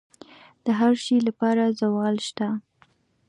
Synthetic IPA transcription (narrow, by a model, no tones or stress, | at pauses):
d̪̥əɦaɾʃilapɑɾazawɑlʃt̪a